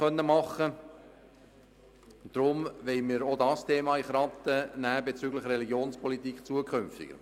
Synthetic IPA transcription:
œnːəmɑχːə | d̥ɾʊmʋɛɪmiːɾodɑstʰeːmɑːiχɾɑt̪ːənæːbet͡syːɡləχɾɛliɡjoːnspʰɔlitikχt͡suəkʰχʏmftɪ̰ɡ̥ə̰ɾ

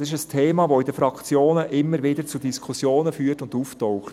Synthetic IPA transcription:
sɪʃəstʰeːmɑːʋoidəfɾɑkt͡sjoːnəʔɪmːəɾʋɪdəɾt͡sudiskʰʊsjoːnəfyːərtʊnduːftɔʊχt

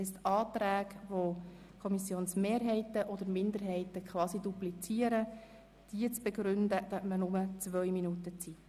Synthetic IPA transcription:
ɛst̪ɑːt̪ɾæːɡʋo | kʰɔmisjoːnsmeːɾɦɛɪtəʔɔd̥̪əɾmɪnd̪əɾɦɛɪt̪əkχʋɑːsiduplit͡siːəɾə | d̥iət͡sb̥eɡɾʏnd̪əd̪̥œtmənʊmət͡sʋœjminut̪ət͡siː

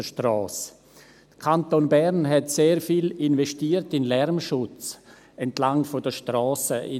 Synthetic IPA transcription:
əʃtɾɔːs | d̥əkʰantonbɛɾnɦɛtseːɾfiːlɪnvɛʃtiːətɪnlɛɾmʃʊt͡s | ɛntlaŋfodəʃtɾɔːsəʔɪ

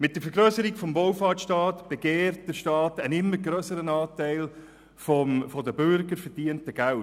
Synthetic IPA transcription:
mɪt̚d̥əɾfəɾɡɾœːsəɾiɡfɔmvowfɑːtʃtɑːtb̥eɡeːɾt̚d̥əʃtɑːtənɪmːəɾɡɾœːsəɾənɑːtæɪl | fomfodəbʏɾɡəɾfəɾd̥iəntəɡ̥æl

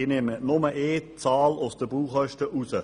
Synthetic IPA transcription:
ɪnemənʊməʔeːt͡sɑːlosd̥̪əbuːχœʃtəʔusə

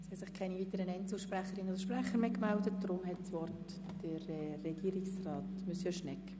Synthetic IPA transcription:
shɛtsɪχkʰaɪniviːtəɾənɛnt͡səlʃpræχəɾɪnəodəʃpræχəɾmeːkmældət̚d̥ɾʊmɦɛtsʋɔrt | d̥ərɛːɛɡ̥iːɾiksrɑːtmysəʃnɛkː

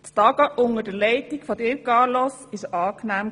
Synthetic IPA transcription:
ttɑɡ̥əʔʊŋədəlɛɪtikfɔdɪkɑːlɔsɪʃɑːknæːm

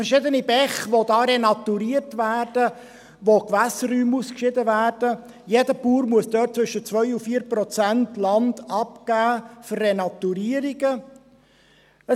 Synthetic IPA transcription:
fəɾʃɪdənibɛχʋodɑːɾɛnɑt̪uɾiːəɾtvæːrd̥ə | ʋokʋæsəryːmuːskʃɪdəvæːɾd̥ə | jedəpuːɾmuəsd̥̪œːt̚t͡sʋʏʃət͡sʋœʏufiːɾpɾɔt͡sæntlɑndɑpɡ̥æːfərːenɑt̪uɾiːəɾiɡə | ə

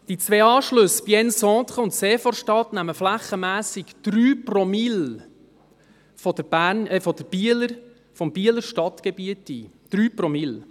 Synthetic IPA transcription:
d̥it͡sʋeːɑːʃlɵsb̥jɛnsɔ̃ːt̪χəʊntseːfɔɾʃtɑtnæməflæχːəmæːsɪkd̪̥ɾyːprɔmɪl | fɔd̥əbæɾnɛfɔd̥̪əb̥iələɾ | fɔmb̥iələɾʃtɑt̪ɡ̥ɛbiətiːd̪̥ɾyːprɔmɪl

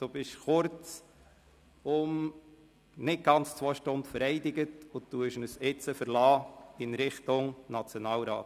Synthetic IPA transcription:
d̪̥ub̥ɪʃχʊɾt͡s | ʊm | nɪt̚ɡ̥ɑnt͡st͡sʋɔʃtʊnd̪fəɾɛɪd̪ɪɡətʊt̪ːuəʃnəsɪt͡səfəɾlɑːɪnɾɪχtʊŋnɑt͡sjonɑːlɾɑ̰ːt

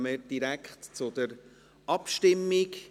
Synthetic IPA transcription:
məd̥iɾækχtt͡sʊd̥̪əɾ | ʔɑpʃtɪmːik

